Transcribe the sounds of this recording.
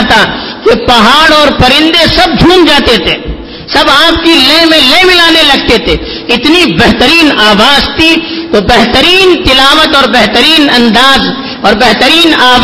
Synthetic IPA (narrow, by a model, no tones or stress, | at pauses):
t̪a | kepɐɦaːɽɔːɾpɐɾɪ̃nd̪esɐb̚d͡ʒʱũːnd͡ʒaːt̪et̪ʰeː | sɐbaːp̚kilẽmẽlẽːmɪlaːnelɐɡ̚t̪et̪ʰeː | ɪt̪nibɛɦt̪əɾiːnaːʋaːzt̪ʰit̪obɛɦt̪əɾiːnt̪ɪlaːʋət̪ɔːɾbɛɦt̪əɾiːnɐ̃nd̪aːz | ɔːɾbɛɦt̪əɾiːnaː